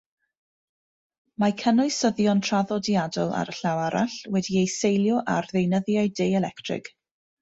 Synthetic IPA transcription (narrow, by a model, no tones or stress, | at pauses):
makʰənɔɨsəðjɔntʰr̥aðɔdjadɔlˠa̰ɾəɬawaɾa̰ɬwɛdiejsejlˠjɔʔa̰rðejnəðjaɨdejɛlɛktʰrɪ̰ɡ̥